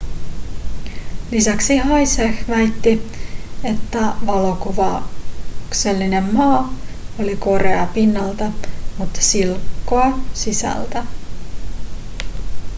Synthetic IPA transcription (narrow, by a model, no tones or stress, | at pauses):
lisæksiɦɑjsexʋæjt̪ːi | e̞t̪ːæʋɑlo̞kuʋɑ | kse̞lːine̞mːɑːoliko̞ɾeɑpinːɑlt̪ɑmut̪ːɑ̥silkːoɑsisæ̰lt̪æ